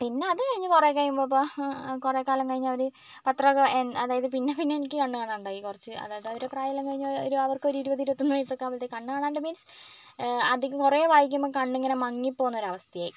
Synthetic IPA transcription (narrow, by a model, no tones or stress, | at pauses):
pinːe̞ɐðɨkɐɻiɲːɨkureːkːɐɻjumbopːoːkureːkaːlɐmkɐɻiɲːuɐʋɐɾu | pɐt̪rɐɣɐenɐðaːjɐðɨpinːe̞pinːeenikʲːɨkɐɳːɨkaːɳaːnuɳɖaːjikurɐt͡ɕːɨɐ̰ðaðɐʋiɾepraːjɐlɐŋkɐɻiɲːo̰ɾuɐʋɐrkɨoɾiɾubɐðiɾubɐt̪ːunːuʋɐsokːaːʋɐlt̪ekɐɳːɨkaːɳaːɳɖɨmiːns | ɐd̪ikʲːukureːʋaːjikʲːumːoːkɐɳɖeŋːɐnemɐŋːipːoːunːoɾuɐʋɐst̪ʰɐjaːji